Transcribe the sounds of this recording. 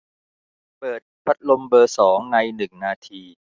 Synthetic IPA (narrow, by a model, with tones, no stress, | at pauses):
pɤː˨˩t̪̚pʰa˦˥t̪̚lo˧mbɤː˧sɔː˩˦ŋna˧jnɯ˨˩ŋnaː˧t̪ʰiː˧